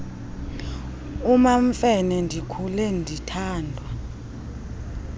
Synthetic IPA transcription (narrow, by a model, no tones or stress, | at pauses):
umaɱfɛnɛndʱikʰulɛndʱitʰaːndʱwa